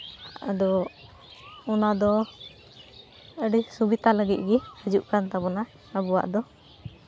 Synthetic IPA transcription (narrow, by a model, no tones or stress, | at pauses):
ad̪ɔ | ɔnad̪ɔ | əɖisubit̪aləɡit̪̚ˀɡiəd͡ʒuʔkant̪abɔna | əbuwa̰ʔd̪ɔ